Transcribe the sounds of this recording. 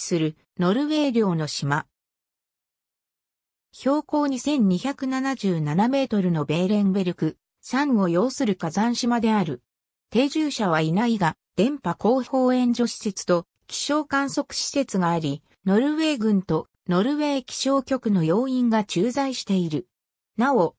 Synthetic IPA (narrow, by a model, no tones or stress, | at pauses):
sɨɾɯ̟ | no̞ɾɯ̟βe̞ːɾʲo̞ːno̞ɕima | ço̞ːko̞ːɲ̟isẽ̞ɲ̟ɲːiçakɯ̟nanaʑɨːnaname̞ːt̪o̞ɾɯ̟no̞be̞ːɾẽ̞ŋbe̞ɾʲɯ̟kɯ̟ | sãŋo̞jo̞ːsɨɾɯ̟kazãɰ̃ɕimad̪e̞aɾɯ̟ | t̪e̞ːʑɨːɕaβ̞ainaiɡad̪̥ẽ̞mpako̞ːho̞ːẽ̞ɲ̟d͡ʑo̞ɕi̥se̞t͡sɨ̥t̪o̞ | kʲi̥ɕo̞ːkãɰ̃so̞kɯ̟̥ɕi̥se̞t͡sɨɡaːɾʲi | no̞ɾɯ̟βe̞ːɡɯ̟̃nt̪o̞ | no̞ɾɯ̟βe̞ːkʲi̥ɕo̞ːkʲo̞kɯ̟no̞jo̞ːĩŋɡat͡ɕɨːzaiɕi̥t̪e̞iɾɯ̟ | nao̞